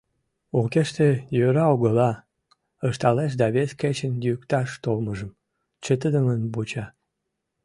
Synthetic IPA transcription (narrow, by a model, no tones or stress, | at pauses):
ukeʃt̪ejøɾɑoɣəlɑ | əʃt̪ɑleʃ̬d̪ɑβesket͡ɕənjykt̪ɑʃt̪olməʒəm | t͡ɕət̪əd̪əmənbut͡ɕɑ